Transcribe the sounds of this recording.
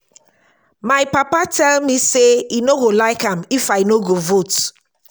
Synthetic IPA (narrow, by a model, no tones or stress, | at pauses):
maɪpapatʰɛlmiseinoɡolaɪkãmifajnoɡovot